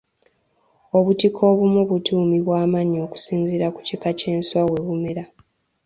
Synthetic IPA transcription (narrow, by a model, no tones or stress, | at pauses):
o̞βutikʰo̞ːβumuβutuːmiβwaːmaɲo̞ːku̥siːnziɾaku̥cikace̞ːnswawe̞βumeɾa